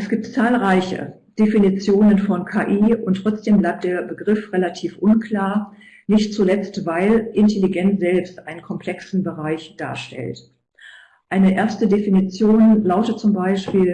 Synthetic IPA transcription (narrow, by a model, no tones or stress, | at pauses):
ʔɛsɡ̥iːp̚t͡saːlʁaɪçə̰ | d̥efinit͡sjoːnənfɔnkʰaːʔiːʊntʁ̥ɔt͡sd̥eːmblaɪp̚t̚d̥eːɐbəɡʁɪfʁelatʰiːfʔʊnkʰl̥aːɐ | nɪçt̚t͡sulɛt͡stv̥aɪlʔɪntʰeliɡɛnt͡sz̥ɛlpstʔaɪnənkʰɔmpl̥ɛksn̩bəʁaɪçd̥a̰ːɐʃtɛ̰lt | ʔaɪnəʔeːɐstədefinit͡sjoːnlaʊtət͡sʊmbaɪʃpiːl